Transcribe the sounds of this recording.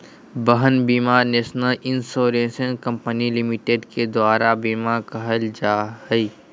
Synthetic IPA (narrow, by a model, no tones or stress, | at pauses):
bəɦənbiːmaːɾneːʃnəlɪnsoːɾẽːsənkɐ̃mpənilɪmiʈeɖked̪waːɾabiːmakɐɦəld͡ʒaːɦəi